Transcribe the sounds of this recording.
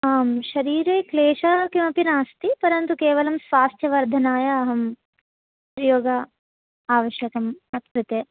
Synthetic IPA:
aːmʃɐɾiːɾeːkleːʃɐkimɐpinaːst̪ipɐɾɐnt̪ukeːʋɐlɐmsʋaːst̪ʰjɐʋɐɾd̪ʱɐnaːjɐːɦɐm | pɾɐjoːɡɐ | aːʋɐʃjɐkɐmɐt̪ʰkɾut̪eː

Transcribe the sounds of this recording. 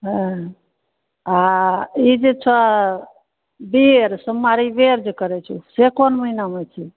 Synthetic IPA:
ɦə | aid͡ʒet͡ʃʰa | beɾsəmːaɾibeɾd͡ʒekəɾɛt͡ʃʰusekɔnməɦinamet͡ʃʰi

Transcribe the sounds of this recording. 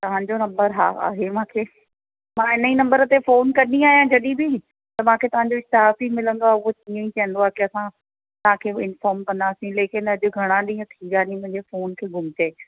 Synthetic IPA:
t̪ɐʋ̤ãɲd͡ʑonɐ̃mbəɾɦa̰ːa̰ːɦemãːkʰeː | mãːɦɪnəinɐ̃mbəɾə̆t̪efoːnkɐɾniaːɦijãd͡ʑɐɗibɪ | t̪ɐmãːkʰet̪ɐʋ̤ãɲd͡ʑoɪst̪ɪɦaːfimɪlə̃nd̪oaʊɦot͡ɕĩːə̃ĩt͡ɕiə̃n̆d̪oaːkiɐsã | t̪ɐʋ̤ãkʰeːɪnfaːɾmkɐ̃nd̪aːsĩleːkɪnɐʄʊɡʱɐɽ̃ãɗĩːə̃t̪ʰiːʋaːnĩmʊ̃ɦɪ̃ɲd͡ʑefoːnkʰeːɡʱʊmɪt͡ɕeː

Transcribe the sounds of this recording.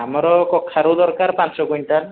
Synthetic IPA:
amɔɾɔkɔkʰːaɾud̪ɔɾkaɾpansɔɡujnta

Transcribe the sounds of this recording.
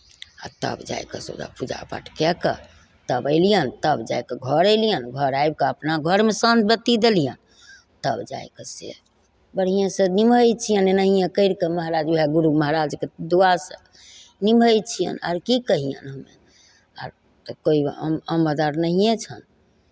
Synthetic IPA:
a̰t̪ə̰bd͡ʒa̰jkə̰so̰d͡ʒa̰pud͡ʒa̰pa̰ʈʰkɛkə̰ | t̪əbəɪlijənt̪əbd͡ʒa̰jkeɡʱəɾəlijənɡʱəɾajb̚keəpnaɡʱəɾmesənbət̪ːid̪elijən | t̪əbd͡ʒa̰jkesḛ | bəɽ̤ijãsə̃nimʱəjt͡ʃʰijənenəɦijẽkəɪɾkeməɦɾad͡ʒuɦɛɡuɾuməɦɾad͡ʒked̪uasə | nimʱəjt͡ʃʰijə̰na̰ɾkikəɦijə̰nɦəmḛ | a̰ɾ | t̪koiməmbəd̪aɾnəɦijẽt͡ʃʰən

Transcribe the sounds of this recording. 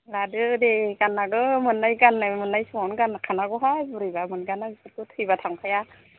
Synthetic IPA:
ɾadɯdeɡanːaɡɯmɯnːajɡanːajmɯnːajsɯŋɔnɡankʰanaɡɔɦajbuɾɯbamɯnɡanabisat̚kɯtʰɯjbatʰaŋpʰaja

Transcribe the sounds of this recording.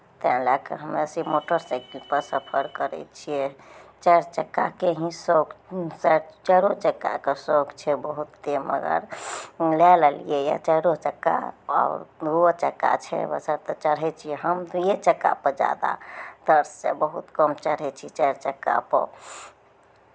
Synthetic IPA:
t̪ãlakəɦəmesimoʈəɾsɛkʈipəɾsəpʰəɾkəɾɛ̰t͡ʃʰiet͡ʃɛɾt͡ʃəkːakeɦĩsoksɛt͡ʃəɾot͡ʃəkːa̰kesokt͡ʃʰɛbəɦut̪ːemə̰ɡə̰ɾlɛləlḭjeja̰t͡ʃəɾot͡ʃəkːa̰a̰ʊɾot͡ʃəkːa̰t͡ʃʰɛ̰bə̰səɾt̪ɔt͡ʃəɽɦɛt͡ʃʰijɛɦəmt̪ujet͡ʃəkːa̰pəd͡ʒa̰d̪a̰d̪̥əɾst͡ʃebəɦut̪kəmt͡ʃəɽ̤ɦɛt͡ʃʰit͡ʃɛɾt͡ʃəkːa̰pə̰

